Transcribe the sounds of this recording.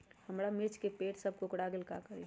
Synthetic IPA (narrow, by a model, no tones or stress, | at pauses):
həmɾamɪt͡ʃkepeːʈsəb̚ʱkokɽaɡɪlkakəɾe